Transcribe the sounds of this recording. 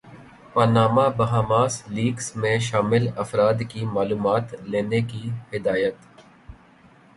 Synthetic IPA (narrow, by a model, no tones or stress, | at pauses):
pɐɾnaːmabɐɦaːmaːsliːɡsmẽʃaːmɪlɐfɾaːd̪kimaːluːmaːt̪leːnekihɪd̪aːjət̪